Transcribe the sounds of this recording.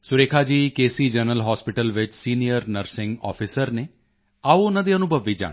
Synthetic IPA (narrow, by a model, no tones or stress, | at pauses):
sʊɾeːkʰaːd͡ʒiːkeːsiːd͡ʒənəlɦɔːspɪʈəlʋɪt͡ʃsiːnijəɾnəɾsɪ̃ŋɡɔ̰ːpʰɪsəɾneː | aːoʊnãːd̪iənʊbʱəʋiːd͡ʒa̰ːɽi